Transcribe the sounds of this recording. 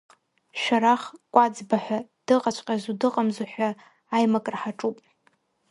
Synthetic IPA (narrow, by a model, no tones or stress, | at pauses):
ʃᶣaɾaχkʷʼad͡zbaħʷᶣad̥ɨqʼat͡ʃʷʰʼqʲʼazudɨqʼamzuħʷᶣaː | jmakʼrħaʈ͡ʂʼupʼ